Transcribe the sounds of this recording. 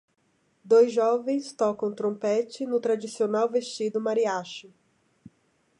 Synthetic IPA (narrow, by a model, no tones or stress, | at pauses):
d̪ojzʒɔvẽj̃st̪ɔkɐ̃w̃t̪ɾõpɛt͡ʃɪnʊt̪ɾad͡ʒisionawvest͡ʃid̪ʊmaɾiaʃʊ